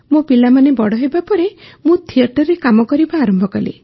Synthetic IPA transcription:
mõpilamanebɔɽɔɦebapɔɾemũt̪ʰieɾʈɔɾːekamɔkɔɾibaːɾɔmbʱɔkɔlḭ

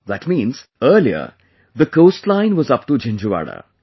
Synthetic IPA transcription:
ðæʈmĩːnz̥əːɾliə̰ | d̪əkoːsʈlãɪ̃nʋɔzʌpʈud͡ʒɛ̃nd͡ʒuʋa̰ɽa̰

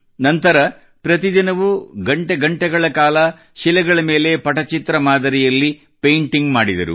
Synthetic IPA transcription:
nɐnt̪ɐɾɐ | pɾɐt̪id̪inɐʋuɡɐɳʈeɡɐɳʈɛɡɐɭɐkaːlɐ | ʃilɛɡɐɭɐmeːle̞pɐʈɐt͡ʃit̪ɾɐmaːd̪ɐɾijɐlːi | pejɳʈiŋɡmaːɽid̪ɐɾṵ

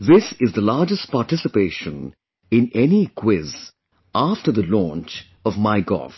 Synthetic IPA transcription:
ðɪsɪzd̪ðəlaːɾd͡ʒəst̚paːʈɪsɪpeːʃə̃n | ɪ̃nɛnikʰwɪz | afʈə˞ðəlɔ̃ːnt͡ʃ | ɔvmaɪɡɔ̰f

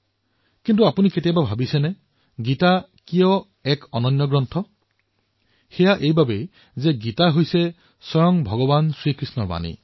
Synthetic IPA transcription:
kint̬uapuniketijababʱabisɛnɛ | ɡita | kijɔ | ɛkɔnɔnjɔɡɹɔntʰɔ | xɛjaʔejbabe | zɛɡitaɦojsɛ | sɔɹɔŋbʱɔɡɔbansɹikɹisnɔɹba̰nḭ

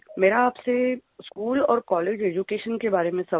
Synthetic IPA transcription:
meːɾaːpseskuːlɔːɾkɔːleːd͡ʒeːd͡ʒukeːʃənkebaːɾemẽsɐ

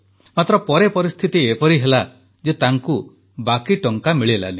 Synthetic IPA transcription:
mat̪ɾɔpɔɾepɔɾist̪ʰit̪iepɔɾiɦela | d͡ʒet̪aŋku | bakiʈɔŋkamiɭela̰li

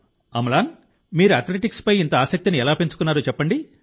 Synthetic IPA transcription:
ɐmɐlaːn | miːɾuɐːɾt̪leʈikspɐjint̪ɐaːsɐk̚t̪iniɛlaːpent͡ʃukunːaːɾuːt͡ʃɛpːɐɳɖi

